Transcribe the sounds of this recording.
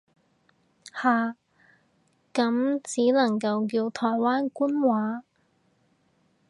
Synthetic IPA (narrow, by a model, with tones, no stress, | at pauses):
haː˨˩ | kɐ˨˧˥mt͡siː˨˥lɐ˨˩ŋkɐ˧wkiː˧wt̪ʰɔː˨˩jwaː˥nkuː˥nwaː˨˥